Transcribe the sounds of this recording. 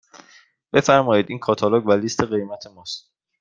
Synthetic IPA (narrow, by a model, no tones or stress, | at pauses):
b̥e̞fæɾmɒːjiːd̪iːnkʰɒːt̪ʰɑloɡvæliːst̪ʰe̞ɢe̞jmæt̪ʰe̞mɒːst̪